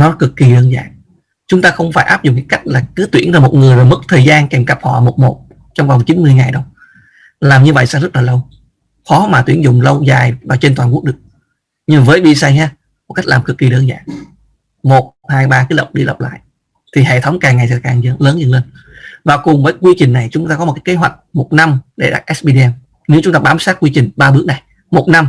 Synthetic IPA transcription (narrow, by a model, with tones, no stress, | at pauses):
nɔ˨˦kɨ˨˩kːi˨˩ɗəː˧nza̰ː˨˩ŋ | t͡ɕʊ˨˦ŋ͡mt̪aː˧xə˧wŋ͡mfaː˧˩jʔaː˦˥p̚zʊ̰˨ŋ͡mkːŋka˦˥k̟̚laː˨˩kɨ˨˦t̪wi˧˩ənzaː˧mo˨˩ŋɨ˨˩əjva˨˩mɨ˦˥k̚t̪ʰəː˨˩jzaː˧nkɛ˨˩mka˨˩p̚hɔ̰˧˨mo˨˩t̚mo˨˩t̚ | t͡ɕɔ˧wŋ͡mva˨˩wŋ͡mt͡ɕi˨˦nmɨ˧əjŋa˨˩jɗə˧w | laː˨˩mɲɨ˧və̰˧˨jsa̰ː˧zə˦˥t̚laː˨˩lə˧w | xɔ˨˦maː˨˩t̪wi˧˩ənzʊ̰˧˨ŋ͡mlə˧wzaː˨˩jvaː˨˩t͡ɕe˧nt̪waː˨˩nku˦˥ɗɨ˨˩ək̚ | ɲɨ˧m˨˩əː˨˦jɓi˧saː˧ɲaː˧ | mo˨˩ka˦˥jk̚laː˨˩mkɨ˨˩k̚ːi˨˩ɗəː˨˦nza̰ː˧˩ | mo˨˩t̚haː˧jɓaː˧kaː˨˦jlə̰˨˩wk͡p̚ɗi˧lə̰˨˩wk͡p̚la̰ː˧˨j | t̪ʰi˨˩hḛ˧˨t̪ʰə˨˦wŋ͡mkaː˨˩ŋːa˨˩jsɛ̰˧˥kaː˨˩ŋzə˨˦ləː˨˦nzə˧nle˧n | vaː˨˩kʊ˨˩ŋ͡mvəː˨˦jkwi˧t͡ɕï˨˩ŋ̟na˨˩jt͡ɕʊ˨˦ŋ͡mt̪aː˧kɔ˦o˨˩t̚ka˦jke˨˦ɦwa˨˩jk̟̚mo˨˩t̚na˧mɗe˧˩ɗa̰˦˥k̚ʔɛ˦˥sɓi˧i˧ʔɛ˧m | ɲɨ˧˦ŋt͡ɕʊ˦ŋ͡mt̪aː˧ɓaː˨˦msaː˦˥t̚kwi˧t͡ɕï˨˩ŋ̟ɓaː˧ɓɨ˦˥ək̚na˨˩j | mo˨˩t̚na˧m